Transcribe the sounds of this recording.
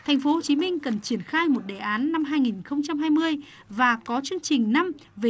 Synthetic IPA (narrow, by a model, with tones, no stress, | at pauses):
t̪ʰa˨˩jŋ̟fo˨˦ho˧˩t͡ɕi˨˦mï˧ŋ̟kə˨˩nt͡ɕi˧˩ənxaː˧jmo˨˩t̚ɗe˧˩ʔaː˨˦nːa˧mɦaː˧jŋi˨˩nxə˧wŋ͡mt͡ɕa˧mɦaː˧jmɨ˧əj | vaː˨˩kɔ˨˦t͡ɕɨ˧əŋnt͡ɕï˨˩ŋ̟na˧m | ve˨˩